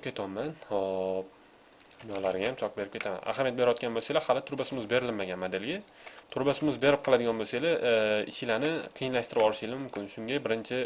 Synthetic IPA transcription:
kʲe̞t̪ʰɒmːanop̚ | d̪ʊnɒlaɾɪɡʲajamt͡ʃʰɒqbe̞ɾɪpkʲet̪ʰama̰na̰hamijat̪̚beɾjɒt̪̚kʲanboselahalɪt̪ʰʊɾbasɪmɪzbe̞ɾɪlɪnmːaɡʲanmad̪ɪlɡʲɪt̪ʰʊɾbasɪmɪzbe̞ɾɪp̚qʰɨlˠad̪ɪɡʲɒnboselaɪ̰ʃɪlanɪqʰijɪnlaʃt̪ɪɾɪpɒlˠɪʃɪlɪmʊmkʲʰɪnʃʊŋɡʲabɪɾɪnt͡ʃʰɪ

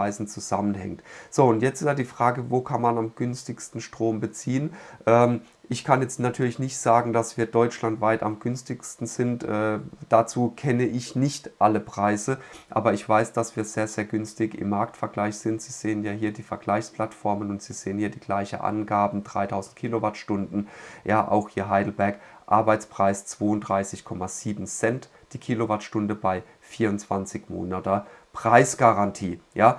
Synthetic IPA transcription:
aɪzn̩t͡suzamənhɛ̰ŋtz̥oːʊntjɛt͡stsadiːfʁ̥aːɡəvoːkʰanmanamɡ̥ʏnstɪçstn̩ʃtʁ̥oːmbət͡siːənʔɛːm | ʔɪçkʰanjɛt͡stnatʰyːɐlɪçnɪçtz̥aːɡŋ̩d̥asv̥iːɐdɔʏt͡ʃlantv̥aɪta̰mɡʏnstɪçstn̩z̥ɪntʔɛːd̥at͡suːkʰɛnəʔɪçnɪçtʔaləpʁ̥aɪzəʔa̰ːbɐɪçv̥aɪsd̥asv̥iːɐz̥eːɐzeːɐɡʏnstɪçɪ̰mːaɐktfɛɐɡlaɪçz̥ɪntz̥iːz̥eːənjaːhiːɐdiːfɛɐɡ̥laɪçspl̥atfɔɐmənʊntz̥iːz̥eːənhiːɐdiːɡ̥laɪçnʔa̰nɡaːbm̩dʁa̰ɪtʰaʊzn̩t̚kʰiːlovatʃtʊndn̩jaːʔa̰ʊxhiːɐɦaɪdl̩bɛɐkʔa̰ɐbaɪt͡spʁ̥aɪst͡sv̥oːʊntdʁaɪsɪçkʰɔmaziːbm̩zɛnt | d̥iːkʰiːlovatʃtʊndəbaɪ | fiːɐʊnt͡sv̥ant͡sɪçmo̰ːnatɐpʁ̥aɪsɡ̥aʁantʰiːjaː

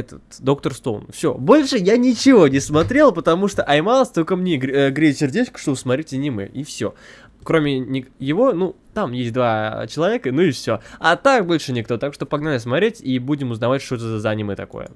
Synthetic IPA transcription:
ɛt̪ət̪d̪o̞k̚t̪ərst̪o̞l̰ˠnfsʲo̞̰bo̞lʲʂɨjanʲɪt͡ɕɪvo̞nʲɪsmɐt̪ɾʲe̞lˠpət̪ɐmuʂt̪oʔɐjmalˠəsʲt̪o̞lʲkəmnʲeɡʲɡɾʲesʲɪrdʲet͡ɕkə̥ʂt̪obəsmɐt̪ɾʲetʲɪnʲɪmɨ̰ifsʲo̞ | kɾo̞mʲɪnʲɪjɪvo̞nut̪amjesʲt̚ʲd̪vat͡ɕɪlˠɐvʲekənuɪfsʲoat̪akbo̞lʲʂɨnʲɪkt̪o̞t̪akʂt̪opɐɡnanʲəs̬mɐt̪ʲɾʲetʲibudʲɪmʊznɐvatʲʂt̪ot̪əzzanʲɪməjət̪ɐko̰jə̰

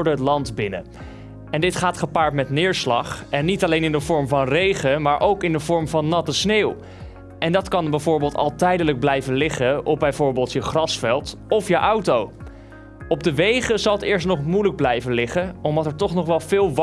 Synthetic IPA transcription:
ɹdəətlɑntbɪnə̰ | ɛndɪtχaːtχəpaːɹtmɛtnɪːɹslɑ̰χɛnːitɑlejnɪndəvɔɹmvɑnrejχəmaːɹʔowkɪndəvɔɹmvɑnːɑtəsneːw | ɛndɑtkɑnbɛjvʊːɹbɪːlˠtɑ̰lˠtɛjdələɡ̚blɛjvənlɪχəɔbɛjvʊːɹbeːlˠtjəχrɑsfɛlˠt | ɔfjəʔʌwtow | ɔb̚dəʋejχəzɑlˠətɪːɹs̬tnɔχmujləɡ̚blɛjvənlɪχəɔmdɑtɛɹtɔχnɔχʋɛlˠv̥ɪːlˠʋ

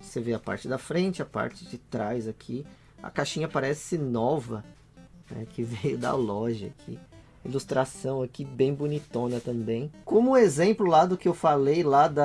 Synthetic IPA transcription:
seveapa̰ɾt͡ʃɪd̪ɐfɾẽnt͡ʃɪapa̰ɾt͡ʃɪd͡ʒɪt̪ɾajzakʰi | ɐ̰kaʃĩɲɐpaɾɛsɪnɔvɐ | nɛ̰kʰɪvejʊd̪ɐ̰lɔʒɐ̰kʰḭ | ilust̪ɾasɐ̃w̃akibẽj̃bonit̪õnɐt̪ɐ̃bẽj̃kõmʊũezẽmplʊlad̪ʊkɪewfalejlad̪ɐ

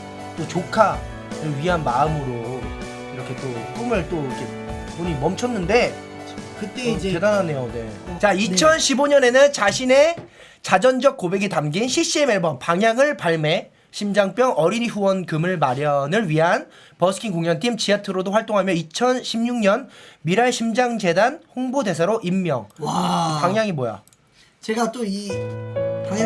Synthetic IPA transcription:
t͈ot͡ɕokʰa | ɾɯɭɥiɦanmaɯmɯɾo | iɾʌkʰe̞t͈ok͈ɯmɯɭt͈oiʌkʰe̞ | poɲimʌmt͡ɕʰʌnːɯnde̞ | kɯt͈ekedanane̞jone̞̰t͡ɕait͡ɕʰʌnɕʰiboɲʌne̞nɯnt͡ɕaɕʰine̞ | t͡ɕad͡ʑʌnd͡ʑʌk̚k͈obe̞ɡitamɡenɕʰiɕ͈ie̞meɭbʌnpaŋɦjaŋɯɭpaɭme̞ | ɕʰimd͡ʑaŋp͈jʌŋʔʌɾiniɸuwʌnkɯmɯɭmaɾjʌnɯɭɥiɦan | pʌsʰɯ̥kʰiŋkoŋɲjʌntʰimt͡ɕʰiatʰɯɾodoɸwaɭt͈oŋɦamjʌit͡ɕʰʌnɕʰimɲuŋɲʌnmiɾaɭɕʰimd͡ʑaŋd͡ʑe̞danɸoŋbode̞s̬ʰaɾoʔimːjʌŋpaŋjaŋimoja̰ | t͡ɕeɡat͈oi

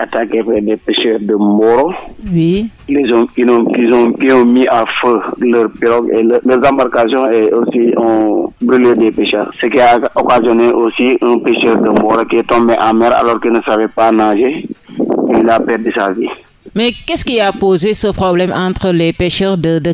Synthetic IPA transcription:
atakepɛdɛpɛʃɛːɾdəmɔɾowizɔ̃kinɔ̃kizɔ̃kiɔ̃miʔafələɾpiɾɔɡeləːɾzãmbaɾkasjɔ̃eosiɔ̃bɾyledɛpɛʃøːɾsəkiaokazjɔneʔosiə̃peʃɛːɾdəmbɔɾokietɔ̃mbɛʔãmɛɾa̰lɔːɾkinəsavɛpanãʒe | ilzapɛɾdisavi | mɛkɛskiapozesəpχɔblɛmʔɑ̃t̪ɾəlɛpeʃøːʁdədə

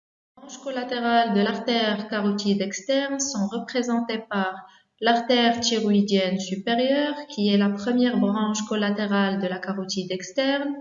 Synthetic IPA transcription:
ebʁɑ̃ʃkɔlat̪eʁald̪əlaʁt̪ɛʁkaʁut̪ʰid̪ɛkst̪ɛʁnsɔ̃ʁəpχezɑ̃t̪epaʁ | laʁt̪ɛʁt̪iʁuid̪jɛnsypeʁjœʁkʲʰiɛlapχəmjɛʁbʁɑ̃ʃkɔlat̪eʁald̪əlakaʁut̪id̪ɛkst̪ɛʁn

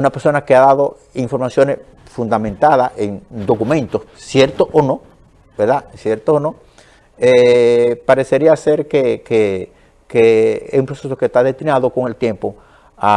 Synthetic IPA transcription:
unapeɾso̞nakeaðaðo̞ | iɱfo̞ɾmasjo̞nes | fund̪amẽnt̪aðaʔeŋd̪o̞kumẽ̞nt̪o̞ssje̞ɾt̪oʔono̞ | beɾðasjeɾt̪oːno̞ | epaɾe̞se̞ɾiase̞ɾkeke | keesumpɾosesokest̪aðest̪inaðoko̞ŋe̞lt̪je̞mpo | a

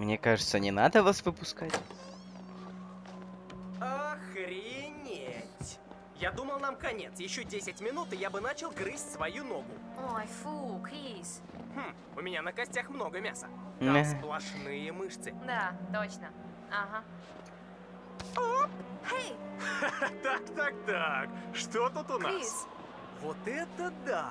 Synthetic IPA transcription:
mnʲekaʐɨt̪sənʲɪnad̪əvasvɨpʊskatʲ | axɾʲɪɪnʲetʲ | jad̪uməlˠnamkɐnʲe̞t̪sjɪɕːodʲesʲɪtʲmʲɪnut̪ɨjabɨnat͡ɕɪlˠɡɾɨsʲtʲsvɐjuno̞ɡʊojfukis | m̩ | ʊmʲɪnʲanəkɐsʲtʲaxmno̞ɡəmʲasəd̪asplˠɐʂnɨjəmɨʂt̪sɨd̪at̪ot͡ɕnə | aɦa | ophej | t̪akt̪ak̚t̪akʂt̪ot̪ut̪ʊnaiss | vot̪ɛt̪əd̪a

